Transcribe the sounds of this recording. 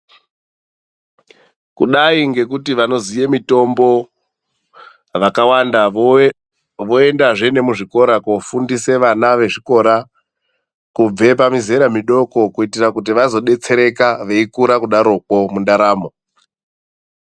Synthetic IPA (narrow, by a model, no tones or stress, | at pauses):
kuɗaiŋɡe̞kutiʋano̞zijemito̞mbo̞ | ʋakawanda | ʋoe̞ndaʐe̞ne̞muʐiko̞ɾakofundise̞ʋanaʋe̞ʐiko̞ɾa | kub͡ve̞pamize̞ɾamiɗo̞ko̞kuitirakut̬iʋazo̞ɗe̞t͡se̞ɾe̞kaʋe̞ikuɾakuɗaɾokwo̞mundaɾaːmo̞